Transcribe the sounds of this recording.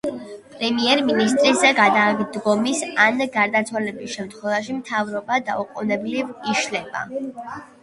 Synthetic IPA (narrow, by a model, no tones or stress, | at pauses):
pʼɾɛmiɛɾminist̪ʼɾisɛɡad̪ad̪ɡɔmisanɡaɾd̪at̪sʰwalɛbisʃɛmt̪ʰχwɛvaʃimt̪ʰavɾɔbad̪auqʼɔnɛbliviʃlɛba̰